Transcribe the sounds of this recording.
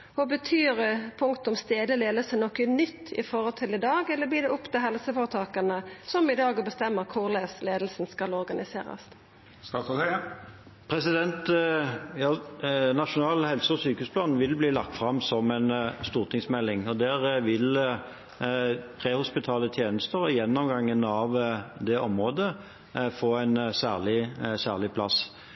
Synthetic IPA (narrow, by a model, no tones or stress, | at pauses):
ɔbət̪ʰyːɾəpʰʊŋkt̪ʊmst̪eːd̪əleːd̪əlsənɔkːənʏt̪ːɪ̰fɔʁɔlt̪ʰɪlɪd̪ɑːɡɛlːəbliːd̪ɛʊpːt̪ɪlɦɛlsəfɔʁət̪ʰɑːkɑnəsɔmɪd̪ɑːɡɔbəst̪ɛmːəʁkʰʊʁleːsleːd̪l̩snskɑlɔʁɡɑnɪsḛːɾɑ̰s | st̪ɑːsɔ | pʰɾɛsɪd̪ɛnt̪ | jɑːnɑʃʊnɑːlhɛlsəɔsyːkəʉːspʰlɑːnʋɪlbliːlɑk̚t̪fʁɑmsɔmɛnst̪uːʁt̪ʰɪŋsmɛlːɪŋɔd̪ɛʁʋɪl | pʰʁeːhʊspɪt̪ʰɑːlət̪ʰjeːnəst̪əʁɔɪjɛnːɔmɡɑŋːənɑʋd̪ɛʔɔmʁoːd̪ə | foːæɪnsæːʁlɪsæːʁlɪpʰlɑs